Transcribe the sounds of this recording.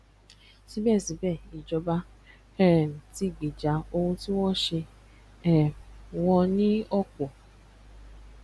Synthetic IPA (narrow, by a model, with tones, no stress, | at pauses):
si˨˦bɛ˦˨si˨bɛ˦˨i˨d͡ʒɔ˧ba˦ | ɛ˦˨ti˦˨ɡ͡bi˨d͡ʒa˨˦o˧hũ˧ti˦wɔ̃˦ʃe˧ | ɛ˦˨wɔ̃˧nĩ˦ɔ˦kɔ˨